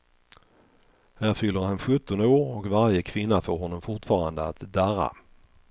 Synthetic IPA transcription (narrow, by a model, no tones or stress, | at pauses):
hæːɾfʏlːəɾhanɧɵt̪ːɔnd̪əoːɾɔkvaɾjəkʰvɪnːafoːɾɦhɔnːɔmfʊʈfɑːɾand̪əa̰t̪d̪æɾa̰